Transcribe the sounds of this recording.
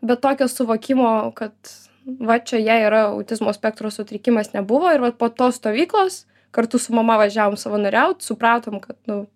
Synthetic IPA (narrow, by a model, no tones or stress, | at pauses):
bʲɛt̪t̪ːoːkʲoːsʊʋoːkʲɪmoːkɐt̪ | ʋɐt͡ʃʲɛjæiːɾɐɐ̰ʊt̪ʲɪzmoːsʲpʲɛkt̪ɾoːsʊt̪ʲɾʲɪkʲɪmɐsnʲɛbʊʋoːɪɾʋɐt̪̚poːt̪oːsst̪oːʋʲiːklˠoːs | kɐrt̪ʊsʊmɐmɐʋɐʒʲæːʋoːmsɐʋɐnɐɾʲɛʊt̪sʊpɾɑːt̪oːmkɐt̪nʊ